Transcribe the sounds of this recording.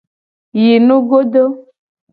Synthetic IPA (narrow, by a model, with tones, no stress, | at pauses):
ji˨nũ˦ɡo˦ɖo˦